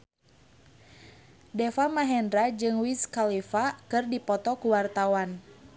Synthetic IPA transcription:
dɛfamaɦɛndɾad͡ʒɨŋwiskalifakɨrdipɔt̪ɔkuwart̪awan

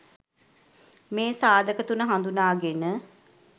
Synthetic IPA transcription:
meːsaːd̪əkət̪unəɦand̪unaːɡenə

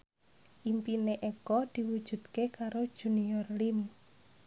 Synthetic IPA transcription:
ʔimpineʔekɔd̪̥i̤wud̥ʒ̥ṳd̪̥kekaɾod̥ʒ̥ṳniɔrlim

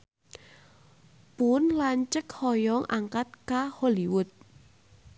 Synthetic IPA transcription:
punlaɲt͡ʃəkhɔjɔŋʔaŋkat̪̚kaholiwʊt̪̚

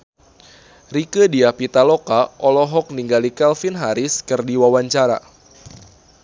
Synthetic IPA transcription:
rikədiapit̪alɔkaʔɔlɔɦɔk̚niŋɡalikɛlfinɦaɾɪskɨrdiwawaɲt͡ʃaɾa̰

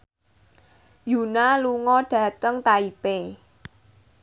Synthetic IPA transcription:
junaluŋɔɖ̥ä̤t̪əŋt̪aipe

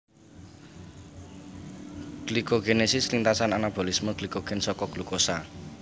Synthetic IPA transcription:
ɡ̥likoɡenesɪslint̪asananab̥olismoɡ̥likoɡ̥ensɔkɔɡ̥lukosa

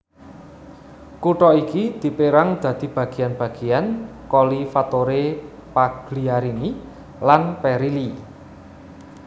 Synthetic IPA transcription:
kuʈɔikid̪̥i̤peɾaŋd̪̥ä̤d̪̥i̤b̥ä̤ɡ̥i̤janb̥a̤ɡ̥i̤jankɔlifat̪oɾe | paɡ̥liaɾini | lanpɛɾili

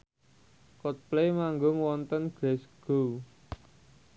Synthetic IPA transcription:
kɔt̪̚plemaŋɡʊŋwɔnt̪ənɡ̥ɾɛsɡ̥ow

